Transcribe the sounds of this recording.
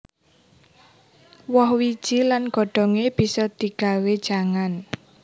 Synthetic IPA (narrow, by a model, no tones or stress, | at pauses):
wɔhwid̥ʒ̥ilanɡ̥ɔ̤ɖ̥ɔ̤ŋeb̥i̤sɔd̪̥i̤ɡ̥a̤wed̥ʒ̥a̤ŋan